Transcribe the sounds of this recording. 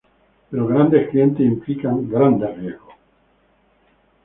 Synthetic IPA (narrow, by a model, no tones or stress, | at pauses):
peɾoɣɾand̪esklije̞nt̪esimplikaŋɡɾand̪erjezɣo